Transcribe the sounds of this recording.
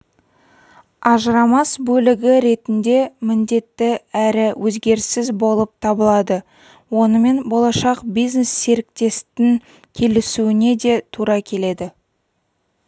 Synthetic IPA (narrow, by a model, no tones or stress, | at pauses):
ɑʒəɾɑmɑsbɵlɪɡʲɪɾe̞t̪ɪnd̪e̞mɪnd̪e̞t̪ːɪæɾɪwʔɵzɡʲe̞ɾsɪzbo̞lˠəp̚t̪ʰɑbəlˠɑd̪ə | wo̞nəme̞nbo̞lˠɑʃɑqbijzne̞sːe̞ɾɪk̚t̪e̞st̪ɪŋ | kʲʰe̞lɪsuɪne̞d̪e̞t̪ʰuɾɑkʲʰe̞le̞d̪ɪ